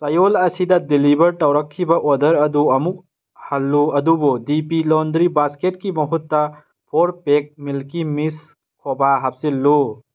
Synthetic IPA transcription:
sɐjolɐsidɐdilibʱɐɾʈɐwɾɐkʰːibɐʔɔdɐɾɐd̪uɐmuk̚ | hɐlːuɐd̪ubodipilond̪ɾibasketkimɐɦut̪ːɐ | pʰoɾpek̚milkimis | kʰɔbaɦap̚silːu

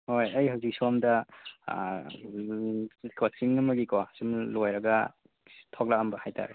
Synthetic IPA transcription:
hojajhawzik̚suamda | kʰɔt͡ʃiŋnamaɡikɔsimlojɾaɡa | tʰɔk̚laambahajtʰa̰ɾ

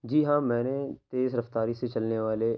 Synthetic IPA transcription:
d͡ʒiːɦãːmɛ̃ːnet̪eːzɾɐft̪aːɾiset͡ʃɐlneʋaːle

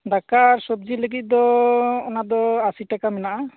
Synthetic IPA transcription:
ɖakaːɾsɔb̚d͡ʒiləɡit̪̚ˀd̪ɔɔnad̪ɔasiʈakamɛnaʔa

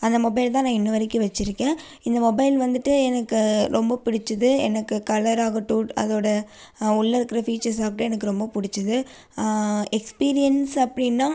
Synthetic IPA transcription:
ɐnd̪ɐmɔbɐɪlt̪ãːnãːɪnːɯʋɐɾɪkːɯʋɐt͡ʃːɪɾɯkːẽː | ɪnd̪ɐmɔbɐɪlʋɐnd̪ɯʈːɯɛnɐkːɯɾɔmbɐpɪɽɪt͡ʃːɯðɯɛ̰nɐkːɯkɐlɐɾaːɣɐʈːũːʈɐ̰ðoːɽɐ | ʊɭːɐɾɯkːɪɾɐfiːt͡ʃɐɾs̬aːɣɐʈːɯ̃ɛnɐkːɯɾɔmbɐpʊɽɪt͡ʃːɯðɯ | ɛkspiːɾɪjɐnsɐpːɐɽɪnːãː

